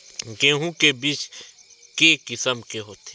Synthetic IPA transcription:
ɡẽːɦũkebiːt͡ʃ | kekɪsəmkeɦoːt̪ʰe

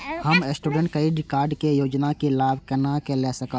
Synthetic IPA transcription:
həmesʈuːɖə̃ɳʈkɐiɖɪkaːɾɖkejoːd͡ʒnakelaːbʱkənakelɛsəkə

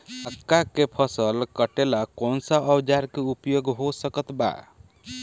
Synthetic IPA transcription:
əkːakepʰəsəlkəʈelakonsəəbd͡ʒaɾkeupjoɡɦosəkət̪ba̰

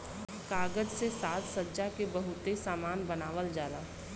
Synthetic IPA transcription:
kaːɡəd͡ʒsesaːt̪səːd͡ʒakebəɦʊt̪esaːmaːnbənaːʋəld͡ʒaːd̪aː

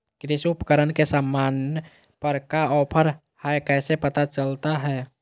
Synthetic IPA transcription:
kɾɪsʊpəkəɾənkesaːmːaːn | pəɾkaɔːpʰəɾ | hɛkɛːsepət̪at͡ʃəlt̪aɦɛː

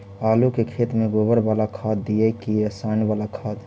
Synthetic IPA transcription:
aːlukekʰet̪meɡobəɾbalakʰad̪ːijɛkiɾəsanbalakʰad̪

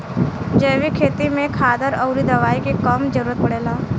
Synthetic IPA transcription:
d͡ʒeːʋikʰeːt̪imẽkʰaːd̪əɾɔʊɾid̪ɐʋaːikekɐmd͡ʒəɾuːɾət̪̚pɐɽeːlaː

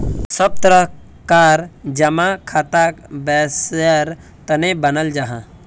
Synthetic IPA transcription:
səb̚t̪əɾə | kaːɾd͡ʒəmãkʰat̪akbɛːsəɾ | t̪ənebənəld͡ʒaɦã

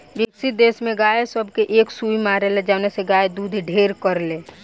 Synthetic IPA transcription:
ʋɪksɪt̪̚d̪eːsmẽɡaːesəbʱkeʔeːksuːimaːɾeled͡ʒaneseɡaːed̪uːd̪ʱɖʱeːɾkəɾleː

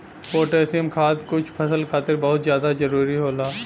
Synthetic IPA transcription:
poːʈeːsiəmkʰaːd̪kʊt͡ʃʰpʰɐsəlkʰaːt̪ɪɾbɐɦʊt̪zjaːd̪azɐɾuːɾiɦoːlaː

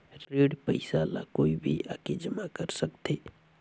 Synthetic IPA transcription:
ɾeɽpəɪsala̰koːibʱiʔaked͡ʒəmakəɾsəkt̪ʰe

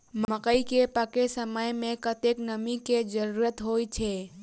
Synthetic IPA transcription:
mməkəikepəkesəməjmẽkət̪eknəmiked͡ʒəɾuɾət̪ɦojt͡ʃʰe

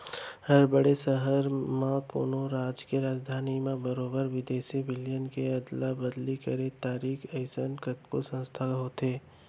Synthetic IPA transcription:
hɐɾbəɽesəɦəɾmãko̰ːnoɾaːd͡ʒkeɾaːd͡ʒd̪ʱaːnimẽbəɾoːbəɾʋɪd̪eːsibɪljənkeɐd̪labəd̪likəɾẽt̪aːɾiːkʰəɪsənkət̪kosə̃nst̪ʰaɦoːt̪eː

